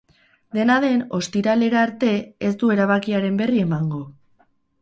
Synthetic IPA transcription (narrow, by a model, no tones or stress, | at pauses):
d̪e̞naðe̞no̞st̪iɾale̞ɾaːɾt̪e̞esd̪ue̞ɾaβ̞akiaɾe̞mbe̞rie̞maŋɡo̞